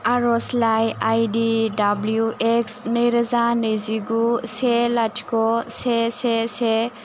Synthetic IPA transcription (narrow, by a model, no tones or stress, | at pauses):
aɾɔslajajdidablijuʔeksnəjɾazanɯjziɡuselatʰkɔsesese